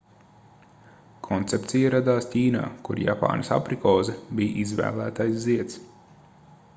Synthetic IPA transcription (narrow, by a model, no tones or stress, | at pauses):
kʰɔnt̪sep̚t̪sʲijaɾad̪aːstʲiːna̰ːkuɾja̰pa̰ːnsa̰pɾikɔːzɛbijʔizvæ̰ːlˠæːt̪ajsziɛt̪s